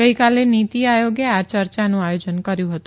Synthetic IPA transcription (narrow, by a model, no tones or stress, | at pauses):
əikalenit̪iajoɡeat͡ʃəɾt͡ʃanũajod͡ʒənkəɾjũɦət̪ũ